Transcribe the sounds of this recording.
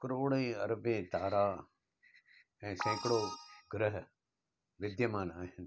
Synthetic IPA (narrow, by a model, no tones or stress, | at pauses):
kəɾoːɽẽːɐɾbẽːt̪aːɾaː | ɛ̃ːsɛ̃ːkɽoːɡɾəɦ | ʋɪd̪jəmãːnaːɦɪn